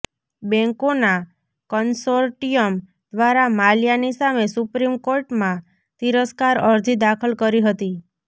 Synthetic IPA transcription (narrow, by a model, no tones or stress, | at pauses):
bɛ̃ŋkona | kənsoɾʈijəm | d̪̥ʋaɾamaljanisamesupɾimkoɾʈmã | t̪iɾəskaɾəɾd͡ʒid̪akʰəlkəɾiɦət̪i